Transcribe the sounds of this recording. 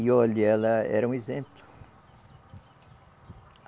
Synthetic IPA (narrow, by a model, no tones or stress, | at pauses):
iɔʎɛlɐɛ̰ɾɐũezẽmplʊ